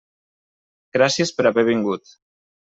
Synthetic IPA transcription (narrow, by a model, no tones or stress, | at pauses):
ɡ̥ɾasiespəɾaβɛβ̞iŋɡut̪